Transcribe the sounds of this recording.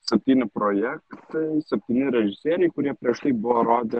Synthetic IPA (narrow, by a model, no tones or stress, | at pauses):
sʲɛpʲt̪ʲiːnʲɪpɾoːjɛkt̪ɐɪsʲɛpʲt̪ʲiːnʲɪɾʲɛʒʲɪsʲeːɾʲɛɪkʊɾʲiɛpʲɾʲiɛʃt̪ɐɪbʊʋoɾoːd̪ʲɛ